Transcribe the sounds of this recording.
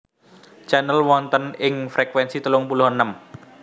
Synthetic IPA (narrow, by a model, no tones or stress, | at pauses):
t͡ʃɛnəlwɔnt̪ənɪŋfɾekwɛnsit̪əlʊŋpulʊhənəm